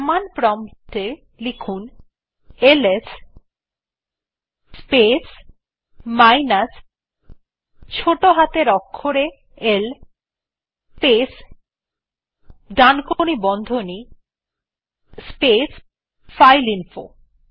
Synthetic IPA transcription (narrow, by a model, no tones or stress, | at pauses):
manpɾɔmt̪e | likʰun | eles | spes | majnas | t͡ɕʰoʈoɦat̪eɾɔkʰːoɾe | el | pes | ɖankonibɔnd̪ʱoni | spes | fajlinfo̰